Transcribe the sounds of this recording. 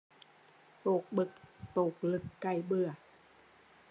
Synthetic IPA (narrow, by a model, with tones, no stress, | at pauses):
poː˨˩k̚bɯ˨˩k̚t̪oː˨˩k̚lɯ˨˩kːa˨˧˩jbɯ˨˩ɐ